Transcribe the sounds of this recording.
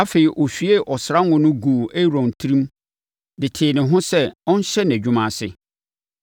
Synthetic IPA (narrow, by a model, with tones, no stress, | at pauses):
a˦fe˨i˨ʔɔ˨ɕᶣɥe˦ʔɔ˨sɾa˦ŋʊ̃˦nʊ̃˦ɡu˨ʔæ˦ɾɔ̃˨n˨tʰi˦ɾĩ˦m | dɪ˨tʰɪː˨nɪ̃˨ɦʊ̃˦sɛ˦ɔ̃˦n̩˦ɕɛ˦n˨æ̃˨d͡ʑᶣu˦mã˨sɪ˦